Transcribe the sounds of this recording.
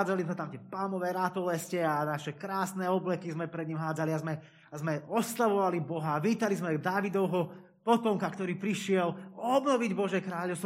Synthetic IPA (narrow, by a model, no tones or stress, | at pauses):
d͡zalizmɛt̪amt̪ɪɛpalmɔʋɛːɾat̪ɔlɛscɛanaʃɛkɾaːsnɛɔblɛkizmɛpɾɛd̪̚ɲimɦaːd͡zaliazmɛ | azmɛɔslaʋɔʋalibɔɦaːʋiːt̪alizmɛɡd̪aːʋid̪ɔʊɦɔ | pɔt̪ɔŋkakt̪ɔɾiːpɾiʃɪɛlɔbnɔʋiɟbɔʒjɛkɾaːʎɔʊst̪ʋ